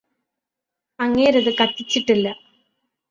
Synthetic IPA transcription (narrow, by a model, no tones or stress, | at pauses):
ɐŋːeːɾɐðɨkɐʈ̪ːit͡ɕːiʈːilːɐ